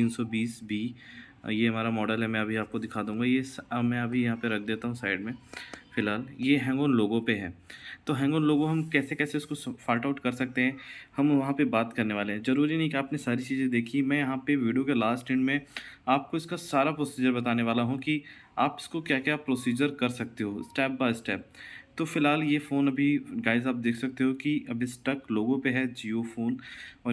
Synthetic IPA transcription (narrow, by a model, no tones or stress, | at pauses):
t̪iːnsɔbiːsbʱi | jeɦɐmaːɾamɔːɖəlɦɛmɛ̃ɐbʱiaːp̚kod̪ɪkʰaːd̪ũːɡajesmɛ̃ɐbʱijɐɦãpeɾɐk̚ʰd̪eːt̪aɦũsaːɪɖmẽfɪlɦaːljeɦɛ̃ːŋɡoːnloːɡõpeɦɛ̰ːt̪oːɦɛ̃ːŋɡoːnloːɡõɦɐmkɛːsekɛːseʊskosfaːʈaʊʈkɐɾsɐk̚t̪eɦɛ̃ːhɐmʋɐɦãpebaːt̪kɐɾneʋaːleɦɛ̃zɐɾuːɾinɐɦĩkiaːpnesaːɾit͡ʃiːzẽd̪eːkʰimɛ̃ːjɐɦãpeʋiːɖijokelaːsʈɪ̃ɳɖmẽaːp̚koɪskasaːɾapɾoːsiːd͡ʒəɾbɐt̪aːneʋaːlaɦũki | aːpɪ̥skokjaːkjaːpɾoːsiːd͡ʒəɾkɐɾsɐk̚t̪eɦoːsʈɛːp̚baːɪsʈɛːp̚t̪oːfɪlɦaːljefoːnɐbʱiɡaːɪzaːp̚d̪eːkʰsɐk̚t̪eɦõkiʔɐbɪsʈɐkloːɡõpeɦɛd͡ʒiːofoːnɔː